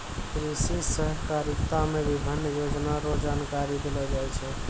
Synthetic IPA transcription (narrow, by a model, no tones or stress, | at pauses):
kɾisisəɦkaɾikt̪amebibʱinːəjod͡ʒnaɾod͡ʒankaɾid̪elɔd͡ʒajt͡ʃʰɛ